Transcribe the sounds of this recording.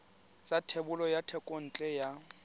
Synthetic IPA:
t͡sʼatʰebʊlɔjatʰɛkʼon̩t͡ɬʼɛja

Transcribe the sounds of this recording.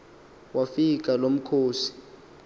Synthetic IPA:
wafik̬ʼalom̩kʰoːsi̥

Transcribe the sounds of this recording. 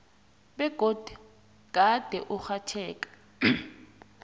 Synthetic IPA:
ɓɛɡ̥ʱod̥ʱu | ɡ̥ʱad̥ʱɛʔuxatʰɛːkʼḁ

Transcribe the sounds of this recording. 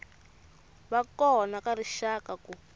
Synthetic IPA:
βakɔnakaɾiʃakaku

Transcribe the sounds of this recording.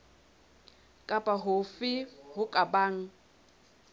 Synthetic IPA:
kʼapʼaɦʊfɪɦʊkʼabaːŋ̩

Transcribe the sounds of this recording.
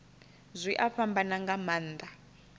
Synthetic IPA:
zʷiʔaɸambanaŋɡamaːnd̪a

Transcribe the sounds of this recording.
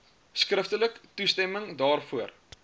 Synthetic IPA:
skrəftələktustɛməŋdɑːrfuər

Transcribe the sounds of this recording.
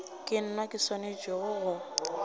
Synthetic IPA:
kʼɪn̩nakʼɪsɔned͡ʒɔɣʊɣʊ

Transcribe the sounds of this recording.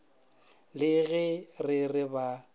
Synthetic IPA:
lɪɣɛrɪrɪba

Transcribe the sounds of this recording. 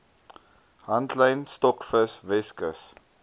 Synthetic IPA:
ɦɐntləjnstɔkfəsvɛskəs

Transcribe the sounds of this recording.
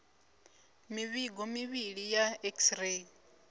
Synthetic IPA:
miβiɡɔmiβiɺijaɛksre

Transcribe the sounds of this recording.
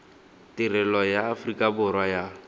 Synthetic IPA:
tɪrɛlɔjaːfrikʼabʊrwaja

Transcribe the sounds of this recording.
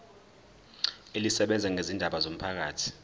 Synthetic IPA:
elisɛɓɛnd͡zʱɛŋʱezindʱaɓazom̩pʰak̬aːtʰi̥

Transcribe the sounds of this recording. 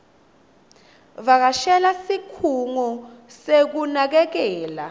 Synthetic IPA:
ɓak̬aʃɛlasikʰuŋɔsek̬unak̬ɛk̬ɛːla̰

